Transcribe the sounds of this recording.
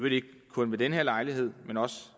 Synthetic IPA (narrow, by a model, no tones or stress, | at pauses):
ɾeɡ̥̚ | kʰːɔ̽nʋe̝d̥enɦeɐ̰lɑ̈ɪliɦe̝ð̞̰ˠmenɒ̽s